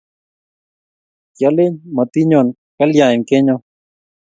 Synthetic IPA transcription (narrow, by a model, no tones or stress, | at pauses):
kjɐleɲmɐt̪iɲoːn | kɐljaːimkeɲo